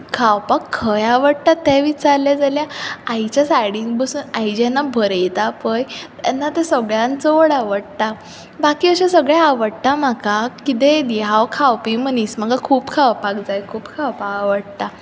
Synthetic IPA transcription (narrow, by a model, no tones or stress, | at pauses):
kʰawpakʰːəjaʋəɽt̪at̪ːɛ̃ʋit͡ɕaɾljad͡zaljaajt͡ɕasajɽiŋɡbəsuːnajd͡ʑɛnːabʱəɾəjt̪apəjt̪anːat̪ɛsəɡɭjãnt͡soɽaʋəɽt̪a | bakiːəɕãsəɡɭjaːʋəɽt̪am̤akakit̪ed̪iɦaʋkʰawpim̤ənisməɡakʰuːpkʰaʋpakd͡zajkʰuːpkʰawpaaʋəɽt̪a